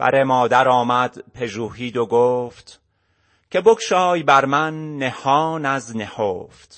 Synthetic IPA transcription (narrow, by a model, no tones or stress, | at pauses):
b̥æ̰ɾemɒːd̪æɾɒːmæd̪̥pʰe̞ʒuːhiːd̪oɡoːft̪ | cʰe̞bokʰʃɒːjbæɾmænːe̞hɒːnæznehoːft̪